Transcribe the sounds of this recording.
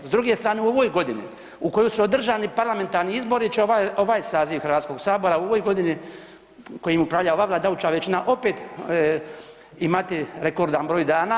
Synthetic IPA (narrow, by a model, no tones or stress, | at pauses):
zd̪ɾuɡest̪ɾaːneuo̞ʋo̞jɡo̞d̪inḭ | uko̞josuod̪r̩ʒaːnipaɾlˠame̞nt̪aɾniizbo̞ɾit͡ʃeoʋaːjsaːziʋxɾ̩ʋaːt̪sko̞ɡsaːbo̞ɾauo̞ʋo̞jɡo̞d̪ini | kojimupɾaʋʎaoʋaːʋlˠaːd̪aut͡ʃaʋet͡ʃinaʔo̞peːt̪ | imat̪iɾekoɾd̪anbɾo̞ːjd̪aːna